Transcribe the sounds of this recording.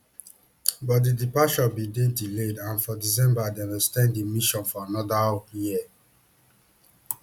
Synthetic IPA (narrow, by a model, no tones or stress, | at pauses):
bɔt̚didipaʃɔbidediledãnfɔdis̬ɛ̃mbadɛ̃nɛkstɛ̃nddimiʃɔ̃nfɔanɔdaoji